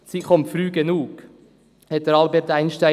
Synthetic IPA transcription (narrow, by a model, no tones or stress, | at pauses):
t͡siχɔmtfɾyːɡenuːɡ | hɛt̚d̥əɾɑlbɛɾtæɪnʃta